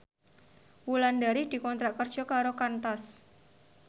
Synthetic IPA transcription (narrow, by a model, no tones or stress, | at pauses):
wulandaɾɪhd̪̥i̤kɔnt̪ɾaʔkərd̥ʒ̥ɔ̤kaɾokant̪as